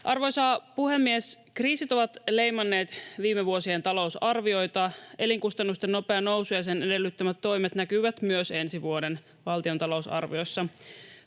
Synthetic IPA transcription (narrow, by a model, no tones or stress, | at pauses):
ʔɑrʋojsɑːpuhe̞mːies | kriːsit̪o̞ʋɑt̪le̞jmɑnːe̞ːt̪ʋiːmeʋuo̞sient̪ɑlo̞usɑrʋio̞jt̪ɑe̞liŋkust̪ɑnːust̪e̞nːo̞pe̞ɑno̞wsujɑs̬e̞ne̞de̞lːyt̪ːømæt̪ːo̞jmet̪nækyʋæt̪myøse̞nsiʋuode̞n | ʋɑlt̪io̞nt̪ɑlo̞uwsɑ̰rʋio̞jsːɑ